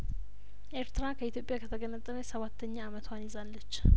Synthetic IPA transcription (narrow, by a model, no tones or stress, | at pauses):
ʔeɾt̪ɨɾakʰəit̪jo̞pʼjakʰət̪ʰəɡənət̪ʼːələjsəβat̪ːəɲːaːmət̪ʰwanizalːət͡ʃː